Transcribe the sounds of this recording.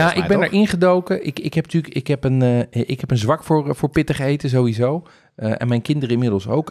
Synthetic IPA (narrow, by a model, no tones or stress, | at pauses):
jaʔɪ̰ɡbɛndɛɹʔɪ̃nχədowkəʔɪkɪkɦɛpntyːkɪkɦɛpənʔɪkɦɛpənzʋɑkfʊrfʊːɹpɪtəχejtəzowizow | əɛ̰̃nmɛjnkɪndəɾəɪnmɪdəlˠso̰wk